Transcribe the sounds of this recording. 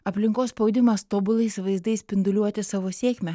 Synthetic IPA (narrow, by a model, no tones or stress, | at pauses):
ɐpʲlʲɪŋkoːsspɐʊd̪ʲɪmɐst̪oːbʊlˠɐɪsʲʋɐɪzd̪ɐɪsʲpʲɪnd̪ʊlʲuɔt̪ʲɪsɑʋoːsʲeːkʲmʲɛ